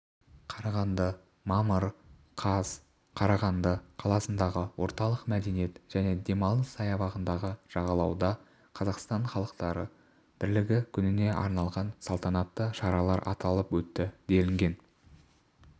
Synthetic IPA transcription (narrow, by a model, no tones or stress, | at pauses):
qʰɑɾɑʁɑnd̪ə | mɑməɾqʰɑz̥ | qʰɑɾɑʁɑnd̪əqʰɑlˠɑsənd̪ɑʁəwʔo̞ɾt̪ɑlˠəqmæd̪e̞nije̞t̪ʒ̥æne̞d̪e̞mɑlˠəsɑjɑβɑʁənd̪ɑʁəʒ̥ɑʁɑlˠɑwd̪ɑ | qʰɑzɑqst̪ɑɴχɑlˠəqt̪ɑɾə | b̥ɪɾlɪɡʲɪkʲʰʏnɪne̞ʔɑ̰ɾnɑlˠʁɑnsɑlˠt̪ɑnɑt̪ːəʃɑɾɑlˠɑɾʔɑ̰t̪ɑlˠəpwɵt̪ːɪd̪e̞lɪŋɡʲe̞n